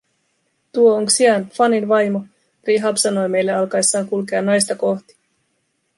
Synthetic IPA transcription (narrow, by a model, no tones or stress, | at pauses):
t̪uo̞oŋksiɑnfɑninʋɑjmo̞ | riɦɑpsɑno̞jme̞jlːeɑlkɑjsːɑːŋkulk̬e̞ɑnːɑjst̪ɑko̞ht̪i̥